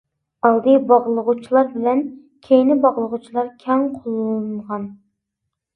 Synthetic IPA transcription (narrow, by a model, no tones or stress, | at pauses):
ɑlˠd̪ɨjbɑʁlˠəʁut͡ʃʰilˠɑɾbɪlɛn | kʲʰejnɪbɑʁlˠəʁut͡ʃʰilˠɑɾkʲʰɛŋqʰolˠɴʁɑn